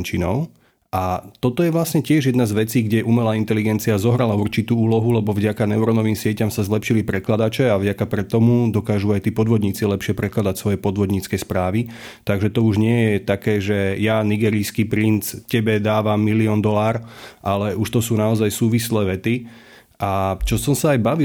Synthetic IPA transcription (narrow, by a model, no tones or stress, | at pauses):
ɲt͡ʃinɔʊ | at̪ɔt̪ɔjɛʋlasɲɛcɪɛʒjɛd̪nazʋɛt͡siːɡɟɛʔumɛlaːint̪ɛliɡɛnt͡siazɔɦɾalauɾt͡ʃit̪uːuːlɔɦulɛbɔvɟakanɛʊɾɔnɔʋiːmsɪɛcamsazlɛpʃilipɾɛklad̪at͡ʃɛavɟakapɾɛt̪ːɔmud̪ɔkaːʒuajt̪iːpɔd̪ʋɔd̪ɲiːt͡silɛpʃɪɛpɾɛklad̪acsʋɔjɛpɔd̪ʋɔd̪ɲiːt͡skɛːspɾaːʋi | t̪aɡʒɛt̪ɔuʒɲɪɛjɛt̪akɛːʒɛjaniɡɛːɾiskiːpɾint͡scɛbɛd̪aːʋamːiliɔnd̪ɔlaːɾʔalɛuʃt̪ɔsuːnaɔzajsuːʋislɛːʋɛt̪i | ʔat͡ʃɔsɔmsaajbaʋi